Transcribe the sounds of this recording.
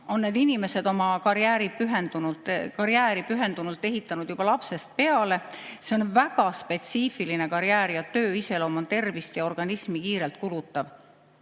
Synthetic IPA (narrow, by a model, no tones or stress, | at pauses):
o̞nːe̞d̪inime̞se̞d̪o̞mɑkɑɾiæːɾipyɦe̞nd̪̥unult̪ːˑkɑɾjæːɾipyɦe̞nd̪̥unult̪ːˑe̞ɦit̪ːˑɑnud̪jub̥ɑlɑpse̞st̪̚pe̞ɑle̞seonvæɡ̥ɑspe̞t̪siːfiline̞kɑɾiæːɾjɑt̪ø̞ːiselo̞ːmɑnt̪e̞rvist̪jɑo̞rɡ̥ɑnismikiːɾe̞lt̪̚kulut̪ːˑɑv